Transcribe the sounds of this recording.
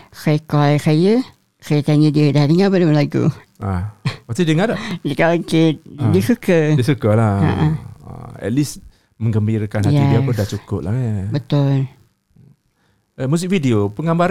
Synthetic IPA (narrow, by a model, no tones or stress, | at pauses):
kajkɔjkajə | kajət̪aɲədiədahdəŋabədəmənlaɡṵ | apast̪idəŋadadəkaokedəsukədiəsukəlaa̰ʔə̃a̰ɛ̰t̪̚lis | məŋɡəmbiɾəkanajaidiapədat͡ʃukʊ̰p̚la̰bət̪ʊl | əmusik̚fidiopəŋambaɾ